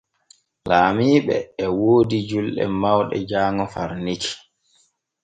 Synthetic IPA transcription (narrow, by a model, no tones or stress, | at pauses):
laːmiːɓɛ̰ːwoːdid͡ʒulɗɛ̰mawɗɛ̰d͡ʒaːŋɔfaɾniki̥